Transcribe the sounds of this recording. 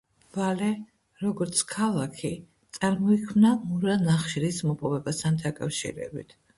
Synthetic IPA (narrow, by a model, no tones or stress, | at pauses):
v̥alɛ | ɾɔɡɔɾt̪sʰkʰalˠakʰi | t̪sʼaɾmɔikʰmnamuɾanaχʃɾismɔpʼɔvɛbast̪ʰand̪akʼafʃḭɾɛ̰bḭt̪ʰ